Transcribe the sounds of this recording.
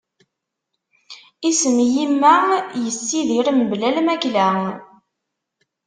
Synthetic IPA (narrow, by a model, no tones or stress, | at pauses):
isəmjimːæjəsːiðiɾəmblælmæklæ